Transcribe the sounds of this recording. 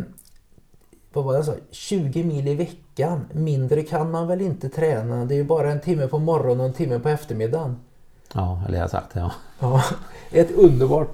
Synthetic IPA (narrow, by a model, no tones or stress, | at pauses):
vavajɛs̬ɑ̰ːɕʉ̟ːɡəmiːlɪvɛkːanmɪnd̪ɾəkʰanmanvɛlɪnt̪ət̪ʰɾɛːnad̪ɛjɵbɑːɾaɛnt̪ʰɪmːəpʰɔmɔɾɔnɔɛnt̪ʰɪmːəpʰɔɛft̪əɾmɪd̪ːan | ɑːɛ̰lə̰a̰sa̰k̚t̪ɛɑ̰ɑːɛt̪ɵnd̪əɾbɑːʈ